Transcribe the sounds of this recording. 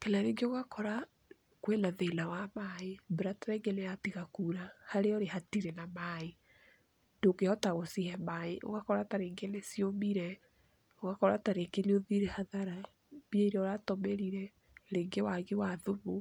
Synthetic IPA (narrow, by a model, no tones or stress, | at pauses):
kelaɾeŋɡeoɣakɔɾa | kwenaðelawamaebeɾataɾɛŋɡenejatiɣakuɾahaɾeɔɾehatiɾenamae | ndoɣeɔtaɣosihɛmaeʔo̰ɣakɔɾataɾeːŋɡenesiomiɾɛ | oɣakɔɾataɾekeɾioðiɾɛhaðaɾa | bieiɾɛɔɾatɔmeɾiɾɛ | ɾeːŋɡewaɣewaðoβo